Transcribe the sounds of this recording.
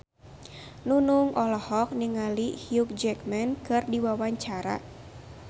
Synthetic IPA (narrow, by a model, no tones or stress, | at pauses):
nunuŋʔɔlɔhɔk̚niŋalihiuk̚d͡ʒɛkmɛnkɨrdiwawaɲt͡ʃaɾa̰